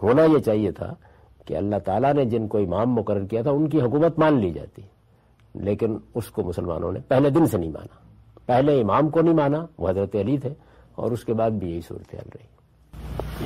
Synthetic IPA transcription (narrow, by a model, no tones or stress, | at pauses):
ɦoːnajet͡ʃaːɦiet̪ʰa̰ | kḛɐ̰lːaɦt̪aːlaned͡ʒɪnkoɪmaːmːʊkəɾːəɾkijat̪ʰaʊnkiɦʊkuːmət̪maːnlid͡ʒa̰ːt̪i | leːkɪnʊskomʊsəlma̰ːnõ̰nḛpɛɦled̪ɪnsenɐɦĩma̰ːna | pɛɦleɪmaːmkonɐɦĩmaːnaʋo̰ɦɐzɾət̪eɐlit̪ʰe | ɔ̰ːɾʊskebaːd̪̚bʱijɐɦisṵːɾət̪eɦa̰ːlɾɐi